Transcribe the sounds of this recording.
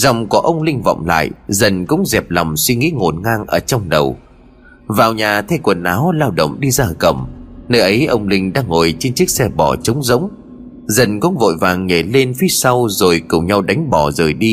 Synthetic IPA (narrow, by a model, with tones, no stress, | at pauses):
zɔ˨˩wŋ͡mkɔ˨˦ʔə˧wŋ͡mlï˧ŋ̟vɔ̰˧˨wŋ͡mla̰ː˧˨jzə˨˩nkʊ̰˧˥ŋ͡mzɛ˨˩p̚la˨˩wŋ͡mswi˧ŋḭ˧˥ŋo˨˩nŋaː˧ŋʔəː˧˩t͡ɕɔ˧wŋ͡mɗə˨˩w | vaː˨˩wɲaː˨˩t̪ʰɛ˧kwə˨˩nʔaː˨˦wlaː˧wɗə̰˧˨wŋ͡mɗi˧zaː˧˩kə̰˧˩mnəː˧jʔə˨˦jʔə˧wŋ͡mlï˧ŋ̟ɗa̰ː˧ŋːo˨˩jt͡ɕe˧nt͡ɕɨ˦˥k̚sɛ˧ɓɔ˧˩t͡ɕə˨˦wŋ͡mzə̰˧˥wŋ͡m | zə˨˩nkʊ̰˧˥ŋ͡mvo̰˧˨jvaː˨˩ŋːe˧˩le˧nfi˨˦sa˧wzo˨˩jkʊ˨˩ŋ͡mɲa˧wɗa˨˦jŋ̟ɓɔ˧˨˩zəː˨˩jɗi˧